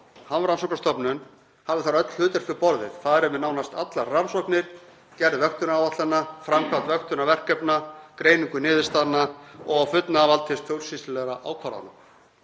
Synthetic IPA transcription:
hanvɾansɔwknast̪ɔpnʏn | havɪθaɾœt̪l̥hʏːt̪ʏɾ̥fɪɾpɔɾðɪ̰ð̥θaðɛɾɛmɪnawnast̪at̪laransɔwknɪɾ̥ | cɛɾðvœxt̪ʏnaːwvat̪lanːafɾamkʰɾat̪vœxt̪ʏnavɛr̥kœpnakɾeːjniŋkʏnɪːðɪst̪aːðnːaɔɣawfʏt̪navalt̪ʰɪst̪fʰjowlsist̪ʏlɛɣɾaʔaːwkʰvaːɾa̰na̰m

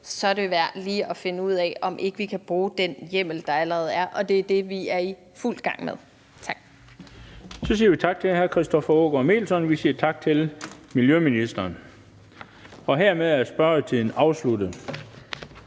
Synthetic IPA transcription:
sɒ̽æɾeʋæɐ̰d̥liːɒ̽fe̝nəuð̞̰ˠɛɒ̽mʔe̝ɡ̥əʋikʰæb̥ʁuːd̥enjem̰l̩d̥ɑ̈æləʁɛːð̞̩ˠæɐʔɒ̽d̥e̝æɐd̥e̝ʋiæɐi | ful̰d̥ɡ̥ɑ̈ŋ̰meðˠ | t͡sʰɑ̈ɡ̥ | sɒ̽siːɐʋit͡sʰɑ̈ɡ̥̚t͡sʰe̝lhæɐkʰʁisd̥ɒ̽fɐɔ̰ːɡ̥ɐme̝̰ːlsɒ̽nʋisiːɐt͡sʰɑ̈ɡ̥̚t͡sʰe̝lmiljøminisd̥ɐːn | ɒ̽ɦeɐ̰meðˠæɐsb̥ɶɐət͡sʰiðˠn̩ɑ̈ʊslud̥əð̩ˠ

